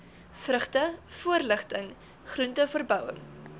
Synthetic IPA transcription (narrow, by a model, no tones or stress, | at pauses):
frəχtəfuərləχtəŋ | χruntəfərbœwə̰ŋ